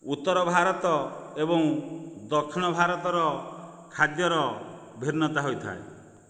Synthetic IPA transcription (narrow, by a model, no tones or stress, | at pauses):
ut̪ːɔɾɔbʱaɾɔt̪ɔebɔŋd̪ɔkʰːinɔbʱaɾɔt̪ɔɾɔ | kʰad̪jɔɾɔ | bʱiɾnɔt̪aɦojt̪ʰa̰ḛ